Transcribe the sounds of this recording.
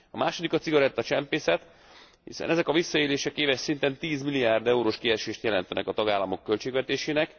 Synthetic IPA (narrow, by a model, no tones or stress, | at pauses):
ɒmaːʃo̞d̪ikɒt̪siɡɒɾɛt̪ːɒt͡ʃɛmpeːsɛt̪ | hḭsɛ̰nɛzɛkɒvisːɒeːleːʃɛkeːvɛʃsint̪ɛnt̪iːzmilijaːrd̪ɛuɾoːʃkiɛʃeːʃt̪jɛlɛnt̪ɛnʔɛ̰kɒt̪ɒɡaːlːɒmo̞kːø̞lt͡ʃeːɡʋɛt̪eːʃeːnɛk